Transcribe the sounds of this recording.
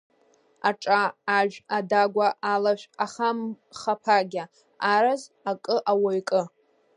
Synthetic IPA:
aʈ͡ʂʼaːʒᶣadaɡʷaʔalaʃʷᶣaχam | χapʰaɡʲa | aɾaz | akʼɨʔawajkʼɨ

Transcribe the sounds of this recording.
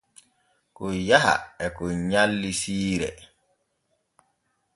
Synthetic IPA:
kɔjaɦa̰ɛkɔɲalːisiːɾɛ̰

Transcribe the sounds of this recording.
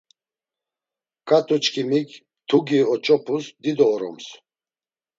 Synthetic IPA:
kʼat̪ʰʼut͡ʃʰkʰimik | t̪ʰuɡiɔt͡ʃʼɔpʰusd̪id̪ɔːɾɔ̰ms

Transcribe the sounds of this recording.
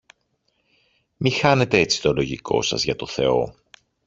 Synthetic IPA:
mixɐne̞t̪e̞et͡si̥t̪o̞lo̞ʝikʰo̞̰sɐ̰zʝɐt̪o̞θe̞̰o̞̰

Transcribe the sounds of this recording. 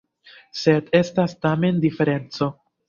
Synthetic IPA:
se̞de̞stastame̞ndife̞ɾe̞nt͡so̞

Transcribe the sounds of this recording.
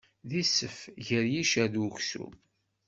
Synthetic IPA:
ðisəfʝəɾjiʃæðuçsṵ

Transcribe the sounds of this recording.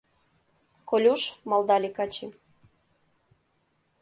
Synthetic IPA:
kolʲuʃmɑld̪ɑlʲekɑt͡ɕim

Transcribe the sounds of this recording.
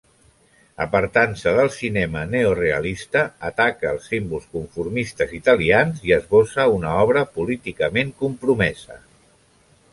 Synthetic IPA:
ə̰pəɾt̪ansəðəlˠsinɛməneoreə̰list̪əːt̪akəːlˠsimbulˠskuɱfuɾmist̪əzit̪əlianziəzβosəunəɔβɾəpulit̪ikəmeŋkumpɾumɛzə̰

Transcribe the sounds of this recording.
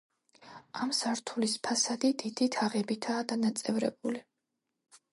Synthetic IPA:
amsaɾt̪ʰulispʰasad̪id̪id̪̥it̪ʰaʁɛbit̪ʰaːd̪anat̪sʼɛvɾɛ̰buli

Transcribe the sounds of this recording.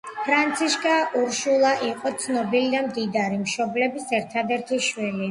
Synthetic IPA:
pʰɾant̪sʰiʃkʼaʔuɾʃulˠaʔiqʼɔt̪sʰnɔbilid̪amd̪id̪aɾimʃɔblɛbisɛɾt̪ʰad̪ɛɾt̪ʰiʃwili

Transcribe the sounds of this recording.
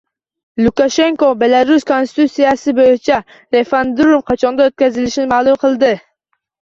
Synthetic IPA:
lˠʊkaʃe̞ŋkobe̞laɾʊskʰonst̪ɪ̥t̪usijasɪbojɪt͡ʃʰa | ɾe̞fand̪ɾomqʰɑt͡ʃʰɒnd̪aot̪̚kʲazɪlɪʃnɪmaːlˠʊmqʰɨlˠd̪ɪ

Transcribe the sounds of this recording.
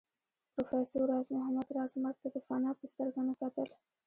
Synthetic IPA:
pɾofesoɾɑːzmʊɦamad̪ɾɑzmaɾ̚t̪ad̪əfanaːpəst̪əɾɡanokat̪əl

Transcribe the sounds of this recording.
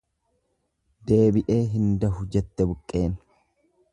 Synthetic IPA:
d̪e̞ːbɪʔe̞ːɦɪnd̪ɐɦʊd͡ʒɛt̪ːɛbʊkʼːe̞ːn

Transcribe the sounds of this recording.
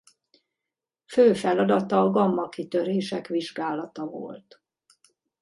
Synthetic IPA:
føːfɛlɒd̪ɒt̪ɒːɡɒmːɒkit̪ørɦeːʃɛkʋiʒɡaːlɒt̪ɒvo̰lt̪

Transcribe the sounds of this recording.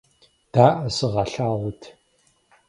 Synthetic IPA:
d̥aːʔɐsɨʁɐɬaːʁʷʊtʰ

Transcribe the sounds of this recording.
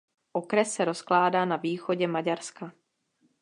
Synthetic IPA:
ʔokɾɛsːɛɾo̞sklaːdaːnaviːxoɟɛmaɟaɾska

